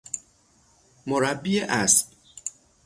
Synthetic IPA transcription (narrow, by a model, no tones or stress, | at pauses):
moɾabːieʔas